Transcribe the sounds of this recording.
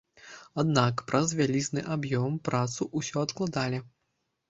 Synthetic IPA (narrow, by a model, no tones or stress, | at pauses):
ad̪nakpɾɐzvʲalʲiznɨʔabjɔmpɾat̪suʔusʲɔɐt̪klˠad̪alʲi